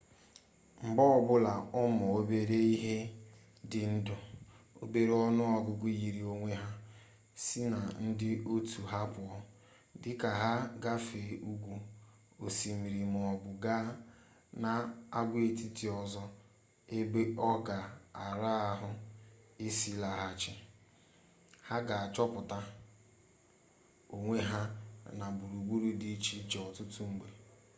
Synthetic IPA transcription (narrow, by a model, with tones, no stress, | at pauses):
ŋ͡m̩˨ɡ͡bɔ˦ɔ˦bʊ˦la˨ʊ˦mɔ˨o˦be˦ɾe˦i˦ɦe˦ | dɪ˨n̩˦dʊ˨ | o̰˦be˦ɾe˦ɔ˦nʊ˦ɔ˦ɡʊ˦ɡʷu˦ɣi˨ɾi˨o˦ŋʷe˦ɦa˦ | si˦na˨n̩˦dɪ˦o˦tu˨ɦa˦pʊ˨ɔ˦ | dɪ˦ka˨ɦa˦ɡa˦fe˨u˦ɡʷu˨ | o˨si˨mi˨ɾi˨m˨ɔ˨ɡ͡bʊ˨ɡaː˦ | na˦a˦ɡʷe˦ti˦ti˨ɔ˦zɔ˦ | e˦be˦ɔ˦ɡa˨a˨ɾa˦a˦ɦʊ˦ | i˦si˦la˨ɦa˦t͡ʃɪ˦ | ha˦ɡa˨a˨t͡ʃɔ˦pʊ˨ta˦ | o˨ŋʷe˦ɦa˦na˨bu˨ɾu˨ɡ͡bu˦ɾu˦di˦t͡ʃi˦d͡ʒɔ˨tʊ˦tu˦ŋ͡m̩˨˦ɡ͡be˨